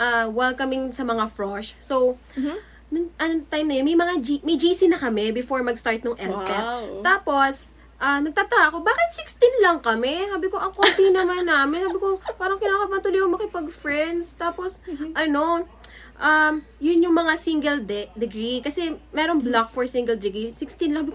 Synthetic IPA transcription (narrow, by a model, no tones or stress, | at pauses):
ʔaːwɛlkɐmɪŋsɐmɐŋafɹoʃsow | nʊŋʔɐnot̪ajmnɐjonmɐjmɐŋad͡ʒimɐjd͡ʒiːsɪnɐkɐmɛbɪfoɹmɐɡst̪aɹt̪̚noŋʔɛlɛaːpo̞s | ʔanɐɡ̚t̪aːt̪ɐaʔɐko̞baːkɪt̪̚sɪkst̪inlɐŋkɐmɛsaːbɪko̞ʔɐŋkont̪ɪnɐmanːaːmɪnsaːbɪko̞paːɾɐŋkɪnaːkɐpɐnt̪ulɪjoŋmɐkɪpɐɡ̚fɹɛnd̪st̪aːposʔɐno̞ | ʔam | jʊnjʊŋmɐŋasiŋɡɛld̪ɛd̪ɪɡɹikɐsɛmɛːɾonblak̚fɔɹsiŋɡɐld̪ɪɡɹisɪkst̪ɪnla